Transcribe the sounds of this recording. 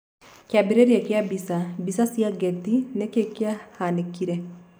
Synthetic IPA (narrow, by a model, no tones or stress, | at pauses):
kjabiɾeɾjakjabisabisasiaɡɛtinɛkekjahanekiɾɛ